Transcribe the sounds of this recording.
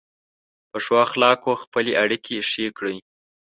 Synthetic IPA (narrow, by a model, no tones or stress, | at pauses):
pəʂwɑxlɑkoxpəleʔaɽikʰeʃekɽij